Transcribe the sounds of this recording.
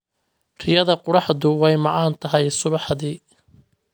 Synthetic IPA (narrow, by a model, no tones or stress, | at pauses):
rɪjɐðɐqʊɽɑħðʊwɛjmɑʕɑːnt̪ʰɐɦɛjsʊβɑħðiː